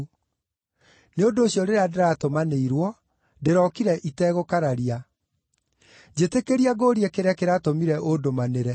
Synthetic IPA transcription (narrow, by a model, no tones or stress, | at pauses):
neondoːɕjɔɾeɾeadeɾatomaneiɾwɔ | deɾɔkiɾɛʔitɛɣokaɾaɾia | d͡ʑetekeɾiaɡoːɾiekeɾɛkeɾatomiɾɛʔodomaneɾɛ